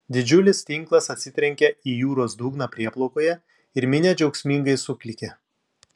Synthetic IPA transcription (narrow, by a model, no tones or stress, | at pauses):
d̪ʲɪd͡ʒʲʊlʲɪst̪ʲɪŋˑklˠɐsɐt̪ʲsʲɪt̪ʲɾʲɛŋʲkʲɛiːjuːɾoːsd̪uːɡnɑpʲɾʲiɛplˠoʊkoːjɛ | ɪɾmʲɪnʲɛd͡ʒʲɛʊksʲmʲiŋɡɐɪsʊkʲlʲɪkʲɛ